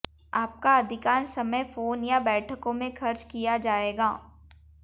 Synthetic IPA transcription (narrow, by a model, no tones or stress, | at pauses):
aːp̚kaɐd̪ʱɪkaːɾsɐməjfoːnjabɛːʈʰəkõmẽxʰɐɾt͡ʃkijad͡ʒaːeːɡaː